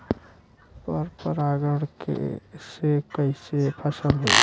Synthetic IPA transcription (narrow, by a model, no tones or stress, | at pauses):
pəɾpəɾaɡəɽkḛsekəɪsepʰəsəlɦo